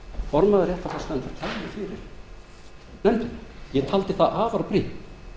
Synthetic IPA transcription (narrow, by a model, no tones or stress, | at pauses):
fɔɾmaðaɾrjɛht̪afast̪anfaɾt̪ʰajmɪfɪɾɪɾ̥ | nɛnt̪ɪnjɛt̪ʰalt̪ɪθaʔaːvaɾpɾiht̪